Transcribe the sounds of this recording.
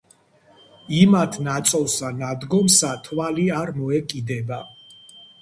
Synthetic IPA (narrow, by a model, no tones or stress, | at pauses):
imat̪ʰnat̪sʼɔlˠsanad̪ɡɔmsat̪ʰwaliaɾmɔɛkʼid̪ɛba